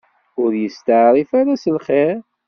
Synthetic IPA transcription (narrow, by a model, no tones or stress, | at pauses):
ʊɾjəst̪əʕɾˤifaɾasəlχeɾ